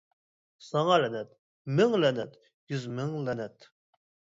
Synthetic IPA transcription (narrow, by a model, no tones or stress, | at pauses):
sɑŋɑlɛnɛt̪̚ | mɪŋlɛnɛt̪ | jyzmɪŋlɛnɛt̪